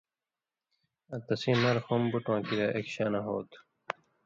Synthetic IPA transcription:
ɐt̪ɐsĩːnɐɾxombuʈwãːkiɾɐʔekɕaːnɐɦoːt̪

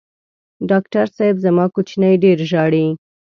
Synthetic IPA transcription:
ɖɑkʈaɾsɑjbzamɑkut͡ʃnajɖeɾʒɑɽi

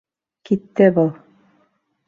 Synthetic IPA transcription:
kit̪ːɘbɤlˠ

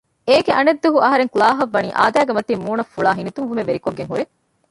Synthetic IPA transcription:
eːɡeʔɐned̪ːuɦuʔɐɦɐɾeŋkulaːɦɐʋːɐnḭːʔa̰ːd̪æːɡemɐt̪iːmuːnɐfuɭaːɦinit̪umʋumeʋeɾikoɡːeŋɦuɾe

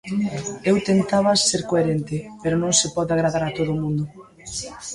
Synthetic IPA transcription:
ewt̪ent̪aβaseɾkoeɾent̪ɪpeɾonõŋsɪpɔðaɣ̞ɾaðaɾat̪oðʊmũnd̪ʊ

